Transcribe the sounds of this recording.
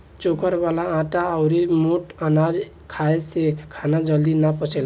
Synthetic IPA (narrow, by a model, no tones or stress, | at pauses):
t͡ʃokəɾbalãːʈaəʊɾimoʈanad͡ʒ | kʰaesekʰanad͡ʒəld̪inapət͡ʃʰɛl